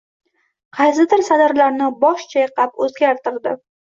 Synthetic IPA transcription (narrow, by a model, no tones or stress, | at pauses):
qʰɑjsɪd̪ɪɾsad̪aɾlaɾnɪbɒʃt͡ʃʰajqʰɑpɵzɡʲaɾt̪ɪɾd̪ɪ